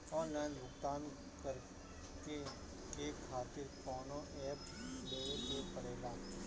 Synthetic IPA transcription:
ɔːnlaːɪnʋʊkt̪aːn | kəɾ | ke | kekʰaːt̪ɪɾkɔːnoʔɛːp | d̪eːesepɐɾeːlaː

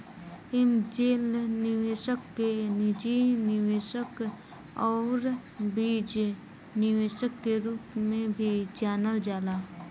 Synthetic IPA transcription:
ɪmd͡ʒeːlnɪʋeːʃəkːenɪd͡ʒinɪʋeːʃək | ɔːɾ | biːd͡ʒ | nɪʋeːʃəkːeɾuːpmẽbʱit͡ʃaːnəld͡ʒaːlaː

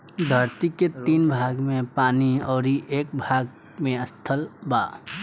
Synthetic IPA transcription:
d̪ʱəɾt̪iket̪iːnbʱaːɡmẽpaːniɔːɾiʔeːk̚bʱaːɡ | mẽɐst̪ʰəlbaː

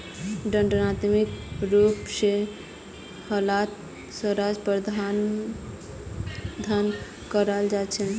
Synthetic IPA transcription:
ɖə̃ɳɖənat̪mikɾupse | həlat̪ | swəɾad͡ʒpəɾd̪ʱan | d̪ʱan | kəɾald͡ʒat͡ʃʰən

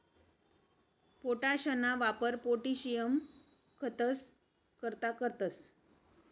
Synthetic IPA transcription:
poʈaɕənaʋapəɾpoʈiɕijəm | kʰət̪əs | kəɾt̪akəɾt̪əs

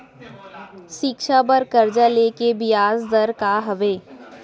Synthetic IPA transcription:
ʃɪkʃabəɾkəɾd͡ʒaleːkebɪjaːzd̪əɾkaɦɐʋeː

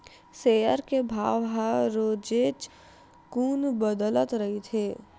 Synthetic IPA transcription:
seːjəɾkebʱaːʋɦãɾoːd͡ʒeːt͡ʃ | kuːnbəd̪ələt̪ɾɐɦet̪ʰeː

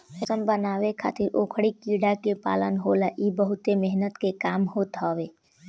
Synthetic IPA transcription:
əsəmbənawekʰa̰ːt̪ɪɾokʰɽikiɽakepa̰lənɦolaʔibəɦut̪emɛɦnət̪kekaːmɦot̪ɦɔwe

